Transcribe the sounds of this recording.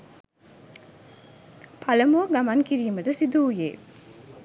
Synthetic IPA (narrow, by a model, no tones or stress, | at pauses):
pʰalɐmoːɡamaŋkiɾiːməʈəsid̪uːjḛː